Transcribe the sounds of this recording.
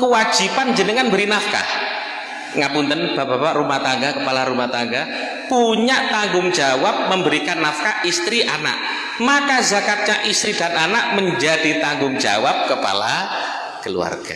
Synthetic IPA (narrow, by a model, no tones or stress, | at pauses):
kəwḁd͡ʒ̥ipand͡ʒənəŋanbəɾinafka̰h | ŋapunt̪ənb̥abapaʔɾumaht̪aŋɡakəpalaɾumaht̪aŋɡa | puɲaʔt̪aŋɡʊŋd͡ʒawap̚məmbəɾikanːafkaʔist̪ɾiʔana̰ʔ | makazakat̪̚ɲaʔist̪ɾidananaʔməɲd͡ʒad̥it̪aŋɡʊŋd͡ʒa̰wap̚kəpa̰la̰ | kəlṵa̰rɡ̥a